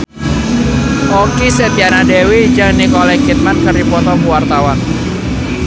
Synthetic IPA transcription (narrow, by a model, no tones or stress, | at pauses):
ʔɔkisɛt̪ianadɛwid͡ʒanikɔlɛkit̪̚mankəɾipɔt̪ɔkuwart̪awan